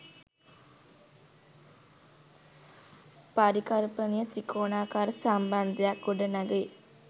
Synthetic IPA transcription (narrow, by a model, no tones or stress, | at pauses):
paɾikɐlpənijət̪ɾikʰoːnaːkaːɾəsamband̪ejakːuɖənɐɡe